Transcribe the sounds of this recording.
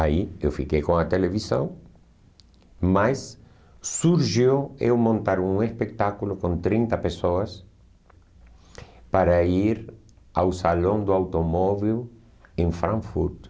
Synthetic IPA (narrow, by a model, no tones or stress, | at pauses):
aiewfikejkõŋat̪eleβisɐ̰̃w | masː | uɾʒiwewmõnt̪aɾũŋespek̚t̪akulʊkõnt̪ɾĩnt̪ɐpesoɐs | paɾaiɾ | a̰wsalõŋd̪uawt̪omɔβil | ẽŋfɾãŋfuɾt̪